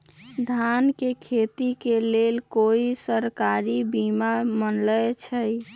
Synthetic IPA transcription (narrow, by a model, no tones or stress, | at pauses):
d̪ʱankekʰet̪ikelelkoisəɾkaɾibimamənlət͡ʃʰəj